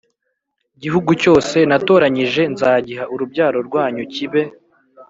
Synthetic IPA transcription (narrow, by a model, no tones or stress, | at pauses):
iɟiɦuɡuco̞ːse̞nato̞ːɾaɲiʒe̞nzaːɟiɦaʔuɾubɟaːɾo̞ɾɡwaːɲuciβe̞